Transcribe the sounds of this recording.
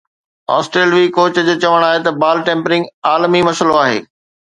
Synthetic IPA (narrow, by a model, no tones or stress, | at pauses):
a̰ːsʈɾeːlʋikoːt͡ɕəd͡ʑot͡ɕɐʋəɽ̃aːɦet̪ɐbaːlʈẽːmpɾɪ̃ŋɡaːlmimɐsəloaːɦḛː